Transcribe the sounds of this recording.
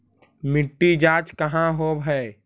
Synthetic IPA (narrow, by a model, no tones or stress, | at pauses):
mɪʈːid͡ʒaːt͡ʃkəɦãɦobʱɛ